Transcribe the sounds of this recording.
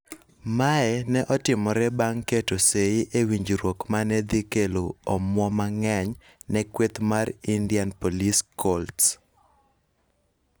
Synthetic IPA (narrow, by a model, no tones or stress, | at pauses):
maɛnɛʔɔtɪmɔɾɛbaŋketoseɪʔewiɲd͡ʒɾwokmanɛd̪ikeloɔmwɔmaŋɛɲ | nɛkwet̪maɾindianpoliskɔlts